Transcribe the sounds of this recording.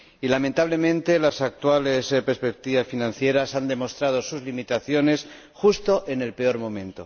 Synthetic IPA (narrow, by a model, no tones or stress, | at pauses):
ilament̪aβle̞mẽ̞nt̪e̞lasak̚t̪wale̞speɾspek̚t̪iβasfinãnθje̞ɾasand̪e̞mo̞st̪ɾað̞o̞suzlimit̪aθjo̞ne̞s | xust̪o̞ʔe̞ne̞lpe̞o̞ɾmõ̞mẽ̞nt̪o̞̰